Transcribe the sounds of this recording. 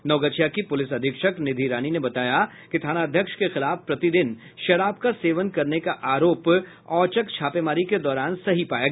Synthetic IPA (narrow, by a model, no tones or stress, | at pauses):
nɔːɡət͡ʃʰijakipʊlɪsɐd̪ʱɪkʃəknɪd̪ʱiɾaːninebɐt̪aːja | kit̪ʰaːnaːd̪ʱjəkʃkexɪlaːfpɾɐt̪id̪ɪn | ʃɐɾaːbkaseːʋənkɐɾnekaʔaːɾoːp | ɔːt͡ʃəkt͡ʃʰaːpemaːɾiked̪ɔːɾaːnsɐɦipaːjaːɡ